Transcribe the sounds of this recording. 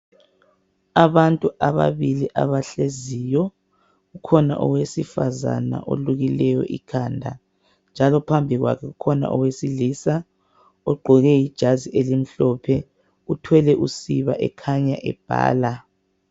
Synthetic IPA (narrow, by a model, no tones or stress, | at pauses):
aβantʼuʔaβa̰βiliʔaβaɬezijɔ | ɣukʰɔna̰ʔɔ̰wesifaza̰na̰ʔo̰luɣilɛjɔ̰ʔḭkʰaːndʱa̰ | nd͡ʒʱalɔpʰambʱiɣwa̰kʰɛɣukʰɔna̰ʔɔwesiliːsa | ɔɡ͡ǃʱɔɣɛjid̥ʒ̥ʱaziʔelim̩ɬɔpʰɛ | utʰwɛlɛʔusiβaʔɛkʰaɲaʔɛ̰b̥ʱa̰ːla